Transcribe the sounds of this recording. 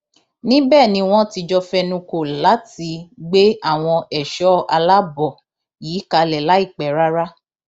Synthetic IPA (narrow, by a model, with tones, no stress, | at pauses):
nĩ˦bɛː˦˨nĩ˧w̃ɔ̃˦ti˧d͡ʒɔ˧fɛ˧nũ˧ko˨la˨˦ti˧ɡ͡be˦a˦˨w̃ɔ̃˧ɛ˨ʃɔ˨˦a̰˧la˦bɔ˨ | jiː˨˦ka˧lɛ˨la˨˦i˦˨k͡pɛ˨ɾa˦ɾa˦